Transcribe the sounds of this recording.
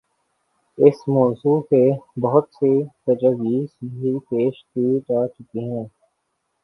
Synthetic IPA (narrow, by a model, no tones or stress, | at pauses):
ɪsmɔːzuːkebɐɦʊt̪set̪ɐd͡ʒəɡiːsɦipeːʃk̪id͡ʒaːt͡ʃʊkiɦɛ̃ː